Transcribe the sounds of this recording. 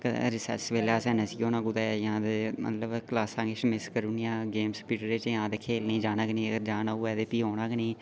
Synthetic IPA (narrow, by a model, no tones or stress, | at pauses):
kə̰ɾɪsɛ̰sʋeːlaːsɛ̃ːnəsiːoːnãːɡʊd̪aːjãːd̪emə̰t̪ləbklaːsãːŋɡet͡ʃmɪskəɾunijãːɡeːmsə̥piːʈɾeːt͡ʃjãːd̪eːkʰeːlniːd͡ʒaːnaknĩːəɡəɾd͡ʒaːnauːɛːd̪eːpiːɦoːnaːkniː